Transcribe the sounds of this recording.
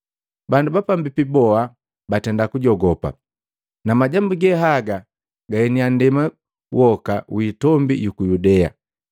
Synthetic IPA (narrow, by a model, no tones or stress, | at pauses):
bandubapambipibɔa | batɛndakuɟɔɡɔpa̰ | namaɟambuɡɛɦaɡa | ɡahɛniandɛma | wʔɔkawitɔmbḭjukujudɛa̰